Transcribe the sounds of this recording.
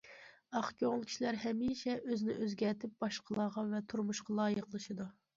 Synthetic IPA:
ɑχkʲoŋlˠkʲʰi̥ʃilæɾɦɛmiːʃɛʔøznɪʔøzɡʲɛɾt̪ʰɪp̚b̥ɑʃqʰəlˠɑːʁɑvɛt̪ʰuɾmuʃqɑlˠɑːjəqlˠɨʃɨd̪u

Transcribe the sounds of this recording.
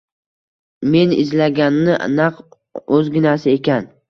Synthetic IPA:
me̞nɪ̰zlaɡʲanːɪʔnaq | ɵzɡʲɪnasɪe̞kʲan

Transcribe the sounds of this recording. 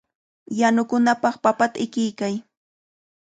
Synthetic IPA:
janʊkʊnapɑχpapat̪aɪkɪjkaj

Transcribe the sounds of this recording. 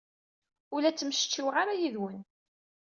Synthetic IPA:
ʊlæt͡sːəmʃt͡ʃːiwʁaɾajiðwən

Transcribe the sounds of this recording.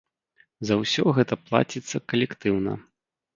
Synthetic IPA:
zɐwsʲɔɣɛt̪ɐplˠa̰t͡sʲit̪sːɐkɐlʲɛkt̪ɨwnɐ̰

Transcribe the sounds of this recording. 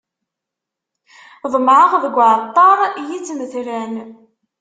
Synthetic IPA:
ðˤəmʕəʁðəɡʷːʕət̪ˤːɑɾˤjit͡sːməθlæn

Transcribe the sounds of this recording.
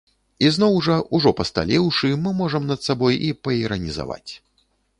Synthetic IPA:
iznɔwʐɐʔuʐɔpɐst̪a̰lʲɛwʂɨmɨmɔʐɐmnɐt̪sabɔjipɐiɾɐnʲiza̰va̰t͡sʲ

